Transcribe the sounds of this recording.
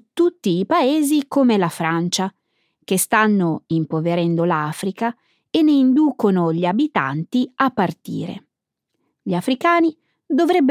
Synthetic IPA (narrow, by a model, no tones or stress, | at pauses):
t̪ut̪ːiːpaeːzikomelafɾant͡ʃa | k̟est̪anːoimpoveɾɛnd̪olaːfɾika | enːeind̪uːkonoʎiabit̪a̰nt̪iapːart̪ḭːɾḛ | ʎiafɾikaːni | d̪ovɾɛbː